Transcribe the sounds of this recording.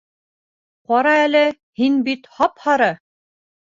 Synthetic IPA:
qɒɾɑælɘ | hinbit̪hɑphɑɾɤ

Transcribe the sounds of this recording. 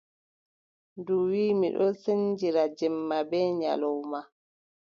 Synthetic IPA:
nduwiːmiɗɔseɲd͡ʒiɾad͡ʒɛmːabɛːɲa̰lɔwma

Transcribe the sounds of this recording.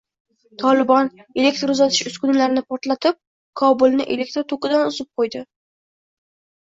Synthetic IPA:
t̪ʰɒlˠɪbɒne̞lʲe̞k̚ʲt̪ɾʊzat̪ʰɪʃʊskʊnlaɾnɪpʰɒɾt̪lat̪ʰɪp̚ | kʰɒbʊlˠnɪʔe̞̰le̞k̚t̪ɾt̪ʰoqɨd̪anʊzɪp̚qʰojd̪ɪ

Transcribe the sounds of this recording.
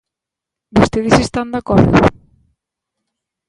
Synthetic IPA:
bost̪eðesest̪and̪akɔɾðʊ̰

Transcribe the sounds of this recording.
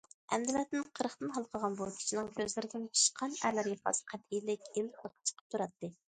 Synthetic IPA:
ɛmd̪ɪlɛt̪̚ːɪnqʰəɾəχt̪ɨnɦɑlˠqʰəʁɑnbukʲʰi̥t͡ʃʰinɪŋkʲʰøzlɪɾɪd̪ɪnt͡ʃʰi̥ʃqʰɑnæɾlæɾjʲɑχʰɑ̰sqʰɛt̪ʰilɪkʲilhəlˠqʰə̥t͡ʃʰə̥qʰə̥p̚t̪ʰuɾɑt̪ːɨ

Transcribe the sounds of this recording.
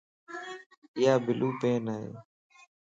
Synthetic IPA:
ɪjaːbɪlʔuːpeːnaːɦḛː

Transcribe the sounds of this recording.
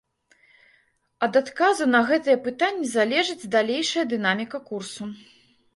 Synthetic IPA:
ɐd̪at̪kazunɐɣɛt̪ɨjɐpɨt̪anʲːizalʲɛʐɨd͡zʲd̪alʲejʂɐjɐd̪ɨn̪amʲikɐkursu

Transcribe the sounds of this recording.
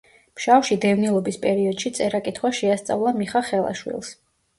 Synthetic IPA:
mʃawʃid̪ɛvnilˠɔbispʼɛɾiɔd̪̥ʃit̪sʼɛɾakʼit̪ʰχwaʃɛast̪sʼa̰vlˠamiχaχɛlˠa̰ʃwḭlˠs

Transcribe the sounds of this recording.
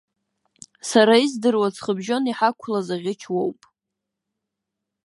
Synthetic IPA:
saɾaizdɨrwat͡sʰχəbʒo̞niħakʷʰlazaʁʲɪt͡ʃʰwowpʼ

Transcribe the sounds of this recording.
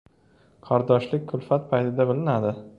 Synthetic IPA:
kʰɒɾd̪ɒʃlɪk̚ʲkʰʊlˠfat̪̚pʰajt̪ʰɪd̪abɪlɪnad̪ɪ

